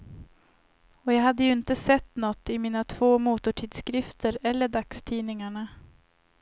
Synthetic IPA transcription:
ɔjɑːɦad̪ːəjɵɪnt̪əsɛt̪ːnɔt̪ːɪmiːnat̪ʰv̥oːmuːt̪ʊʈʰiːd̪skɾɪft̪ʰəɾɛlːəɖakst̪ʰiːnɪŋaɳa

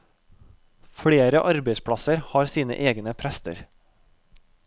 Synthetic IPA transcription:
fɽeːɾəʔɑɾbeɪspʰɽɑsəɾhɑːɾsiːnə̰ʔeːɡnəpʰɾɛst̪ə̰ɾ

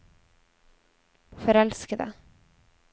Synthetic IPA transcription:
fœɾɛlskad̪ə̰

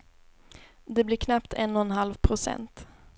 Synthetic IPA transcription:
d̪ɛblɪɾkʰnapt̪ʰɛnːɔɛnɦalvpʰɾʊsɛ̰nt̪

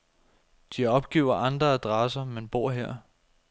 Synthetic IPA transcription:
d̥iɒ̽b̥ɡ̥ḛːʊ̰ɐʔɑ̈nd̥ʁɐæd̥ʁɑs̬ɐmenb̥o̝ɐ̰ɦeɐ̰

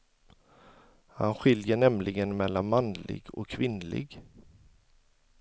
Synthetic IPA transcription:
ha̰nɧɪljəɳɛmlɪɡənmɛlːanmanlɪ̰ɡɔ̰kʰːvɪnlɪ̰ɡ

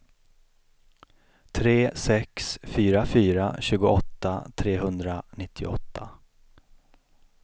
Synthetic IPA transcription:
t̪ʰɾeːsɛksfyːɾafyːɾa̰ɕʉ̟ːɡʊɔt̪ːa̰t̪ʰɾeːɦɵnd̪ɾanɪt̪ʰːɪɔ̰t̪ʰːa

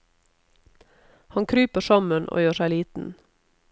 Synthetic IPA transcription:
hɑŋkʰɾyːpəʃɑmənʔo̰ːjøːʃæɪliːt̪n̩

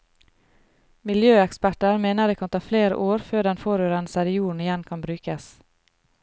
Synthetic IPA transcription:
mɪljøːɛkspæʈəɾmeːnəd̪eːkʰɑnt̪ʰɑːfleːɾə̰ʔoːɾføːɖɛnfoːɾøːɾənsæɾɪjuːɳ̩ɪjɛnkʰɑnbɾʉːkəs

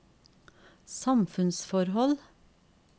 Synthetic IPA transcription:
sɑmfʉnsfɔɾhɔl

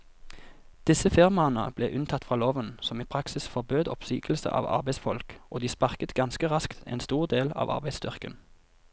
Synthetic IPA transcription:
d̪̥ɪsəfɪʁmɑənə̰b̥lḛːʔʉnt̪ʰɑt̪fʁɑːloːʋənsɔmiːpʰʁɑksɪsfɔʁbøːd̪ɔpsyːkəl̩sə̰ʔɑ̰ːʋɑ̰ʁbæɪsfɔlkʔoːd̪iːspɑʁkət̪ɡɑnskəʁɑskt̪ʰḛːnst̪uːʁd̪eːlɑ̰ːʋʔɑ̰ʁbæɪst̪ʏʁkə̰n

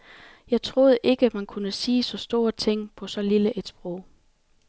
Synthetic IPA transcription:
jɑ̈ɪt͡sʰʁo̝ð̞ˠʔe̝ɡ̥əmænkʰunəsiːsɒ̽sd̥o̝ːɐ̰t͡sʰeŋ̰pʰɒ̽sɒ̽liləʔe̝d̥sb̥ʁɔʊ̰

